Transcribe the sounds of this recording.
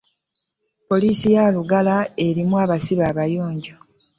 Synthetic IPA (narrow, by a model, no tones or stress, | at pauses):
po̞liːsijaːluɡalae̞ɾimwaːβasiβaːβajuːɲɟo